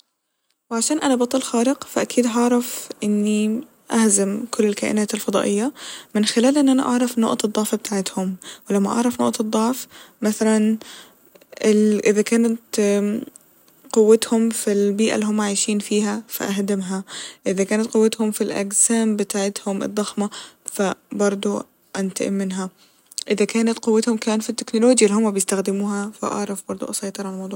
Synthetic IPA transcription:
wɪʕaʃaːnʔanabɑt̪ˤːɑlxaːɾɪqfaʔakʰiːd̪ɦɑʕɾˤɑfʔɪnːi | ʔahzamkʰʊlːɪlkaːʔɪ̰naːt̪ɪlfɑd̪ˤɑ̰ːʔɪjːamɪnxɪlaːlʔɪnːʔana̰ʔɑʕɾˤɑfno̰ːʔd̪ˤːɑʕfbɪt̪aːʕɪt̪hʊmwɪlamːa̰ʔɑ̰ʕɾˤɑfno̰ːʔd̪ˤːɑʕfmaθalan | ɪʔɪðakaːnat̪ | qʊwːat̪hʊmfilbiːʔa̰lːihʊmːaʕaːʃiːnfiːhafaʔaɦd̪ɪmɦaʔɪðakaːnat̪qʊwːat̪hʊmfilʔa̰ɡsaːmbɪt̪aːʕɪt̪hʊmɨ̰d̪ˤːɑxmafabɑɾˤd̪ˤu | ʔant̪a̰ʔɪ̰mːɪnɦa | ʔɪðakaːnat̪qʊwːat̪hʊmkaːnfit̪ːɪknʊloːd͡ʒjalːhʊmːabjɪst̪axd̪ɪmuːɦafa̰ʔɑ̰ʕɾˤɑfbɑɾˤd̪ˤṵʔɑsˤɑjt̪ˤɨɾˤʕalmɑwd̪ˤuː

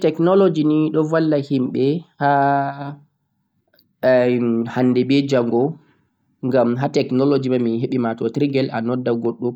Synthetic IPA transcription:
tɛknɔlod͡ʒiniɗɔvalːahimɓɛha | hanːdɛbɛd͡ʒaŋɡɔ | ŋɡamɦatɛknɔlod͡ʒimaminheɓimatɔtɾiɡɛlʔanɔdːaɡoɗːu

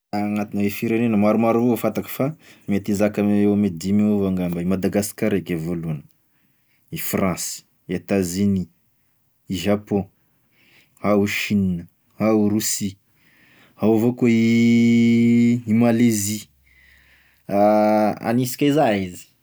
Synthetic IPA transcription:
ŋat̪inawefiɾenenəmaɾumaɾuvofat̪akə̥famet̪izakaeamed̪imeuvaŋɡambaimad̪aɡaskaɾekevolunə | ifrãsi̥ | et̪aziniː | ʒapɔ̃ | hauʃininə | hauɾusi | hawavokoi | malezi | aa̰nisi̥kʲazaizi̥

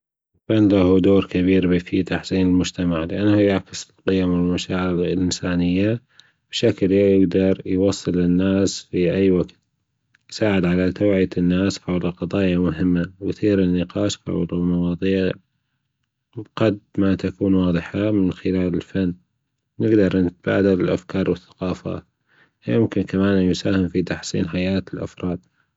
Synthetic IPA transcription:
lfanːlahud̪oːɾkaβiːɾbfit̪aħsiːnɪlmʊd͡ʒt̪amaʕlɪʔanːahʊjaʕkɪsɪlqɪjamɪlmaʃaːʕɪɾlʔɪnsaːnɪjːa | b̥ʃaklajɪɡd̪ɑɾˤjwɑsˤːɨlːɪnːaːsfiʔajːwaɡt̪̚ | jsaːʕɪd̪ʕalat̪aːʕɪːt̪ɪnːaːsħawlɪlqɑðˤɑːjamʊɦɪmːawjθiːɾɪnːɪqɑːʃħa̰wlɪlmɑwɑːðˤiːʕ | qad̪mat̪akuːnwɑːðˤɨħamɪnxɪlaːlɪlfanː | nɪɡd̪ɑɾˤnɪt̪̚b̥a̰ːd̪alɪlʔa̰fkɑːɾˤwɪθːḁqɑːfa̰ːt̪ | jʊmkɪnkamaːnjʊsaːhɪmfit̪ɑħsˤḭːnħajaːt̪ɪlʔa̰fɾˤɑːd̪̥̚ˤ

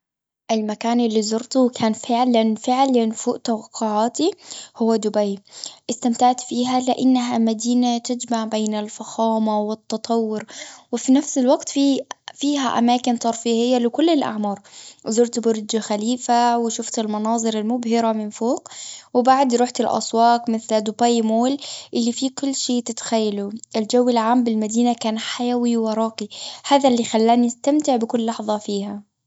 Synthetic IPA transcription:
ʔɪlmakaːnɪlːizʊɾt̪ʊkʰaːnfɪʕlanfɪʕlanfuːʔt̪awɑqʰːʊʕaːt̪ihʊwːad̪ʊbajʔɪst̪amt̪aʕt̪fiːɦalɪʔanːaɦamad̪iːnat̪ɪd͡ʒmaʕbeːnalfaxɑːmawɪt̪ːɑt̪ˤɑwːʊɾwɪfinafsalwaɡt̪fifiːɦaʔa̰maːkɪnt̪ˤɑɾˤfihɪjːalɪkʊlːɪlʔa̰ʕmɑːɾˤzʊɾt̪bʊɾd̪d͡ʒaxaliːfawɪʃʊft̪ɪlmɑnɑːðˤɨɾɪlmʊbhɪɾamɪnfoːkwɪbaʕd̪ɾˤuːħt̪ɪlʔɑ̰sˤwɑːqmɪθld̪ʊbaːjmoːlʔɪlːifiːkʊlːʃeːt̪ɪt̪xajːaluʔɪld͡ʒawːɪlʕaːmbɪlmad̪iːnakaːnħajawiwɑɾˤɑːqihaːðalːixalːaːniast̪amt̪ɪʕbɪkʊlːɑħðˤɑfiːha

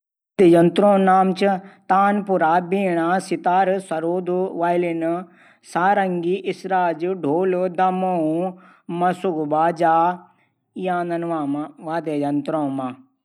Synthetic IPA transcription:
d̪ejɐnt̪ɾõːnaːmt͡ʃit̪aːnpuɾaːbiːɽ̃asɪt̪aːɾsɐɾoːd̪uʋaːjlin | saːɾɐŋɡiʔɪsɾaːd͡ʒɖʱoːlod̪ɐmoũ | mɐsuɡbaːd͡ʒaː | ijãːnd̪ɐnʋaːmaʋaːd̪ejɐnt̪ɾõːmãː

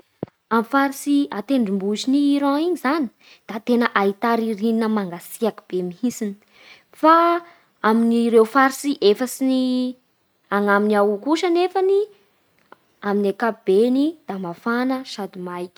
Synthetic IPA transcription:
amfaɾisiat̪eɳɖ͡ʐimbuziniːɾaiɲizani̥ | d̪̥at̪enəʔait̪aɾiɾininəmaŋɡasiakub̥emiɦisini̥ | fa | aminiɾewfaɾisiʔefəsini | aŋaminiawkuʃənefani | aminakab̥enid̪̥amafanəʃad̪imajkʲi̥

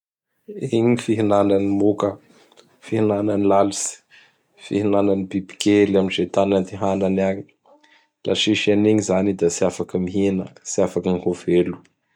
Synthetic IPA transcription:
eɲiifiɦinananimokə | fihinananilalusi̥ | fihinananibibi̥kelamind͡ʒet̪anant̪iɦananaɲi̥ | lʔa̰ʃiʃaniɲizanid̪asiafakəmiɦinə̰siafakənihovelu̥

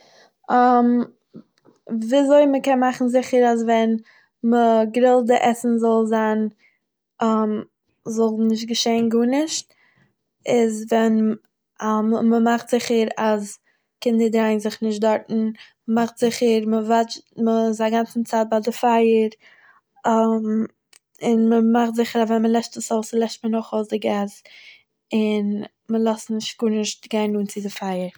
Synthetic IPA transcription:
am | viːazoɪməkɛnmaχn̩zɪχəɾazvɛn | məɡɾɪlˠdəʔɛsn̩zɔlˠzan | am | zɔlˠnɪʃ̬t̚ɡəʃeɪnɡuːnɪʃt | ɪzvɛn | mməmaχtz̥ɪχəɾas | kɪndəɾdɾaɪnzɪχnɪʃtdɔɾtn̩ | maχtz̥ɪχəɾməvat͡ʃməzaɡant͡sn̩t͡saːt̚badɪfaɪəɾ | am | ɪnməmaχtzɪχəɾavɛnməlˠɛʃtəsoʊslˠɛʃt̚mənɔχoʊsdɪɡas | ɪn | məlˠɔstnɪʃtɡ̥uːnɪʃt̚ɡ̥aɪnuːnt͡sɪdɪfaɪəɾ

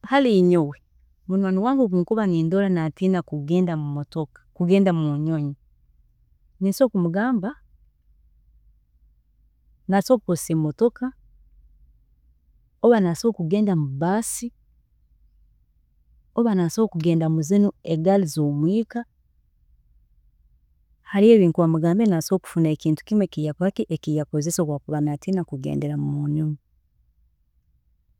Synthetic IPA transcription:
haliɲowe | muɲoɲiwaːŋɡukuŋkuβaniːndolanatinakuɡeːndamumotok | kuɡeːndamuɲoɲi | nisokumuɡaːmba | nasokuposemotoka | oβanasokuɡeːndamubasi | oβanasokuɡeːndamuzinueɡalizoːmwiːka | haɾie̞ːβiːŋkuwamuɡaːmbenaso̞ːku̥funaekiːntu̥kimwekijapakiʔekijakozesokwaːkuβanatinakuɡḛːnde̞ɾamumunumu

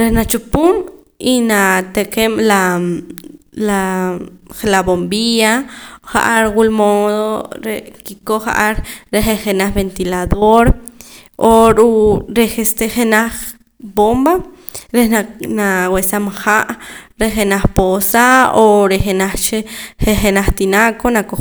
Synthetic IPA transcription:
ɾehnat͡ʃupun | inat̪ekemla | la | laβombiaχa̰ʔaɾwulmoðoɾekikoχa̰ʔaɾɾeχeχenaχbent̪ilaðoɾ | oɾuɾexest̪eχenaχ | bomba | ɾenanawesamaxaʔɾeχenaχposaoɾexenaχt͡ʃeexenaχt̪inakonako

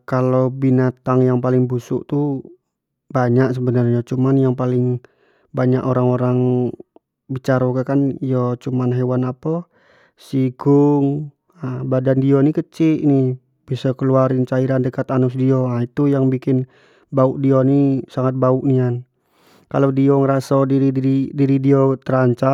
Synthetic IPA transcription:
kalobinat̪aŋjaŋpalɪŋbusṵʔt̪u | baɲaʔsəbənarɲat͡ʃumanjaŋpalɪŋ | baɲaʔoɾaŋoɾaŋ | bit͡ʃaɾoɡakanijɔt͡ʃumanɦewanapɔ | siɡuŋ | abadandiɔnikət͡ʃini | bisɔkəluaɾint͡ʃaiɾandəkat̪anʊs̬diɔait̪ujaŋbikɪn | bauʔdionisaŋat̪̚bauʔnian | kalodiɔŋəɾasadiɾidiidiɾidiɔt̪əɾaɲt͡ʃa

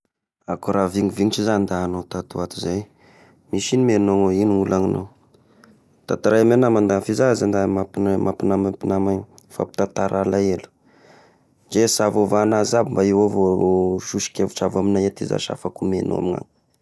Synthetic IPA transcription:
akuɾaviŋiviŋʈ͡ʂizand̪aːnot̪at̪uat̪uzaj | miʃinimenoŋoiniulʔaŋino | t̪at̪aɾajamenamand̪afizazand̪amapinmʔapinamapinamaɲ | fa̰pi̥t̪at̪aɾʔalaelu̥ | d͡ʒesavovanazabimbaiwavooʃuʃi̥kʲevuʈ͡ʂavaminajat̪eza̰ʃa̰fakumḛno̰a̰miŋa̰ŋ

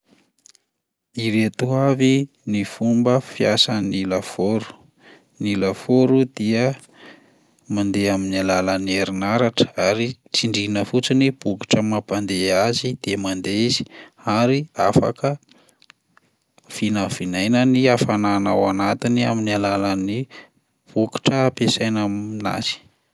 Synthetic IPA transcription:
iɾet̪uavi | nifumbəfiasanilafoɾu̥ | nilafoɾud̪̥iə | mand̪eaminialaləneɾinaɾaʈ͡ʂə̥aɾit͡siɳɖ͡ʐinəfut͡sinib̥uki̥ʈ͡ʂəmapand̪eazid̪̥emand̪eizi̥aɾiafa̰kə | finəv̥inajnəniafananawanat̪inia̰minalalani | b̥uki̥ʈ͡ʂəapesajnamina̰z̥i̥

